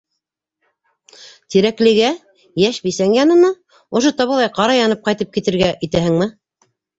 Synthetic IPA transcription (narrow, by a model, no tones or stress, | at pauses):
t̪iɾæklɘ̆ɡæ | jæʃbisæŋjɑnɤ̆nɑ | ŏʃot̪ɑβɤ̆lˠɑjqɑɾɑjɑnɤp̚qɑjt̪ɤp̚kit̪ɘ̆ɾɡæʔit̪æhɘ̆ŋmɘ